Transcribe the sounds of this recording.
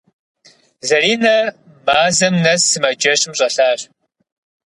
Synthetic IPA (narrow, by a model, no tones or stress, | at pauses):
zɐriːnɐ | maːzɐmnɐsːɨmɐd͡ʒɐɕɪmɕʼɐɬaːɕ